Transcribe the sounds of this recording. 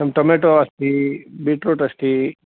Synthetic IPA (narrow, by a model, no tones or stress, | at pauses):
ɐmʈomeʈoɐst̪ibiʈɾoʈɐst̪i